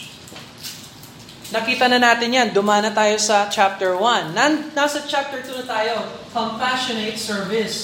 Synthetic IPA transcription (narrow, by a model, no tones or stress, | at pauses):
nɐkiːt̪ɐnɐnaːt̪ɪnjand̪ʊmaːnɐt̪aːjo̞sɐt͡ʃap̚t̪ɛɹwɐnːannaːsɐt͡ʃap̚t̪ɛɹt̪unɐt̪aːjokɐmpaʃonet̪sɛɹvɪs